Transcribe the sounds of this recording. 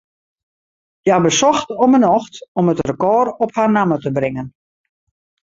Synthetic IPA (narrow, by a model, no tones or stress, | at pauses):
jabəsɔxtɔmənɔxtɔmətrəkɔːrɔpharnamətəbrɪŋən